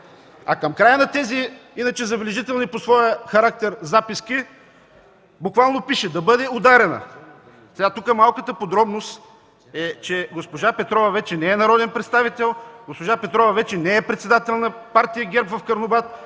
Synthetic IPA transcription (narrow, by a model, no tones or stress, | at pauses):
ɐkəmkɾajənɐt̪ɛziinɐt͡ʃɛzɐblɛʒit̪ɛlˠniposvɔjəxɐɾak̚t̪ɛɾzapiski | bukvalˠnopiʃɛd̪ɐbɤd̪ɛod̪aɾɛnə̰ | sɛɡat̪ukəmalˠkət̪əpod̪ɾɔbnost̪ | ɛt͡ʃɛɡospoʒapɛt̪ɾɔvɐvɛt͡ʃɛnɛɛnɐɾɔd̪ɛnpɾɛt̪st̪avit̪ɛlˠɡospoʒapɛt̪ɾɔvɐvɛt͡ʃɛnɛɛpɾɛt̪sɛd̪at̪ɛlˠnɐpaɾt̪ijəɡʲɛɾpvɐfkɐɾnobat̪̚